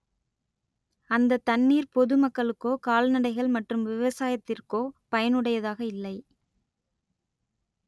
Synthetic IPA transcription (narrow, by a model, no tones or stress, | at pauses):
ɐnd̪ɐt̪ːɐɳːiːɾpɔðɯmɐkːɐɭɯkːoːkaːlnɐɽɐɪɣɐɭmɐʈrɯmʋɪʋɐsaːjɐt̪ːɪrkoːpɐjɐnɯɽɐjɐðaːɣɐɪlːɐɪ